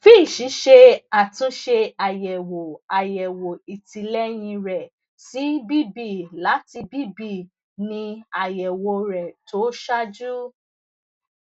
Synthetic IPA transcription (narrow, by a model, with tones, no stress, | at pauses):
fi˦˨ʃĩ˨˦ʃe˧a˨tũ˨˦ʃe˧a˨jɛ˨wo˨a˨jɛ˨wo˨i˨ti˨lɛ˦j̃ĩ˧ɾɛ˨ | si˨˦bi˦bi˧˨la˨˦ti˧bi˦bi˦˧˨ | nĩ˧a˨jɛ˨wo˧ɾɛ˨to˨˦ʃa˦d͡ʒu˦